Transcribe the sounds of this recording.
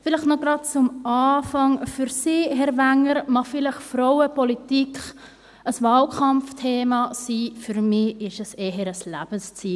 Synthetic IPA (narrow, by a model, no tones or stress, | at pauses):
fɪlɪχnɔɡɾɑd̚t͡sʊmɑːfɑŋfyɾsiːɦɛɾvæŋəɾmɑχfɪlɪχfɾɔwəpɔlitikχ | əsvɑːlkʰɑmftʰeːmɑsiːfyɾmɪɪʃɛseːɦəɾəslæ̰b̥ənst͡siː